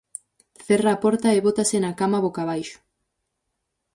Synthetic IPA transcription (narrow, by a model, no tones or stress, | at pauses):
θeraːpɔɾt̪ɐeβot̪asenakamaβokaβ̞ajʃʊ̥